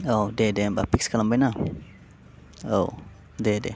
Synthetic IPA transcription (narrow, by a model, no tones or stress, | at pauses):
odedebapikskalambajna | ow | dede